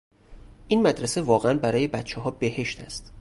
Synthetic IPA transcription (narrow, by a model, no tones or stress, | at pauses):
ʔiːnmæd̪ɾesevɒːɣeænbæɾɒːje̞bæt̪t͡ʃʰɛɦɒːbehe̞ʃt̪ʰæst̪